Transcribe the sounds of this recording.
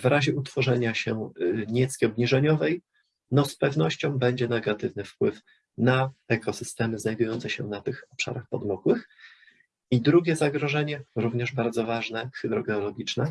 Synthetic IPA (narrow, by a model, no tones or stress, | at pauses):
vɾʔaʑɛut̪fɔʐɛɲaɕɛɲɛt̪skʲiɔbɲiʐɛɲɔvɛj | nɔspɛvn̪ɔɕt͡ɕɔ̃w̃bɛɲd͡ʑɛnɛɡat̪ɘvnɘfpwɘf | naɛkɔsɘst̪ɛmɘznajd̪ujɔnt̪sɛɕɛ̰nat̪ɘxɔpʂa̰ɾaxpɔd̪mɔkwɘx | id̪ɾuɡʲɛzaɡɾɔʐɛɲɛɾuvɲɛʐbaɾd̪zɔvaʐnɛxɘd̪ɾɔɡɛɔlɔɡʲit͡ʂnɛ